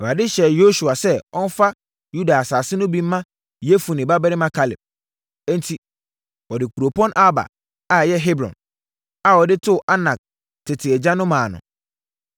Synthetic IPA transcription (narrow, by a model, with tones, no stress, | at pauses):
ɛ˨ɾa˨dɪ˦ɕɛ˨jo˦su˨a˨sɛ˦ɔ˦n̩˦fa˦ | ju˦da˨a˨saː˨sɪ˦nʊ̃˦bi˦m̩ː˦ã˦ | je˦fu˨nɪ̃˨ba˦bɛ˦ɾɪ˦mã˦kʰa˨lɪ̰˨b̚ | ɛ̃˦n̩˦tʰi˦ | wɔ˨dɪ˨kʰu˨ɾo˨pʰɔ̃˦nʔa˦ba̰˨ | a˨jɛ˦ɦe˦bɾɔ̰̃˨n | a˦˨wɔ˨dɪ˦tʰʊ˦˨ʔa˦nã˨k̚ | tʰɪ˨tʰɪ˨ɛ˨d͡ʑã˦nʊ̃˦mãː˨nʊ̰̃˨